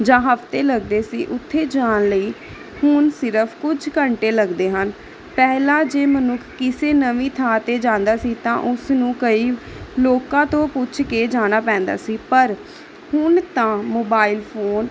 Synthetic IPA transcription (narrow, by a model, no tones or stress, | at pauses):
d͡ʒãːɦəfʰt̪eːləɡd̪eːsiːʔʊt̪ʰːeːd͡ʒaːnləiː | hʊnsɪɾəpʰkʊd͡ʒkəɳʈeːləɡd̪eːɦən | pɛːɦlãːd͡ʒeːmənʊkʰkɪseːnəʋĩːt̪ʰaːt̪eːd͡ʒãːnd̪aːsiːt̪ã̰ːʔʊsnũːkəiː | loːkãːt̪õːpʊt͡ʃʰkeːd͡ʒaːɽ̃aːpɛ̃ːnd̪a̰ːsiːpəɾ | hʊnt̪ãːmoːbaːilpʰoːn